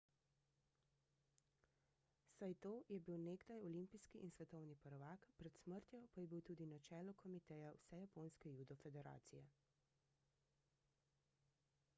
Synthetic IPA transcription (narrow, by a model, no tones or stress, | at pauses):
sajt̪oːjɛbiwneːɡd̪ajɔlimpiskiʔinsʋɛt̪ɔwnipɔɾɔʋaːkpɾɛt̪sməɾt̪jɔpajɛbiwt̪uːd̪inat͡ʃɛːlɔkʰɔmit̪ɛjawsɛjapoːnskɛjud̪ɔfɛd̪ɛɾa̰ːt̪sijɛ